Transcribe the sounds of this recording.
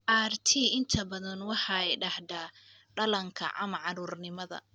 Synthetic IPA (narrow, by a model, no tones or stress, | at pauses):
ʔaːrt̪ʰiːɪnt̪ʰɐbɐðɐnwɑħɑɛjɖɑhd̪a | ɖɐlɐŋkʰɐ̰ʕɐmɐʕɑɾuːrnɪmɐðɐ̰